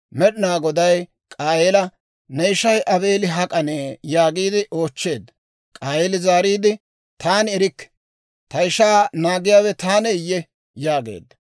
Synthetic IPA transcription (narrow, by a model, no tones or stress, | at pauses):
mɛɗɪnaːɡɔd̪ɐj | kʼaːjɛlɐ | nɛɪʃɐjʔɐbe̞ːlɪɦɐkʼɐneːjaːɡiːd̪ɪʔo̞ːt͡ʃːe̞ːd̪ːɐ | kʼaːjɛlɪzaːɾiːd̪ɪ | t̪aːnɛɾɪkːɛ̥ | t̪ɐɪʃaːnaːɡɪjaːwɛt̪aːnɛɪjːɛ | jaːɡḛːd̪ːɐ